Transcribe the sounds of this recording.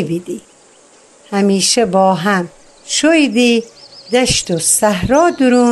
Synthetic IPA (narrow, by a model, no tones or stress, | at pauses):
bid̪i | hæmiːʃebɔːɦæm | ʃojd̪id̪æʃt̪osæɦɾɔːd̪uɾuː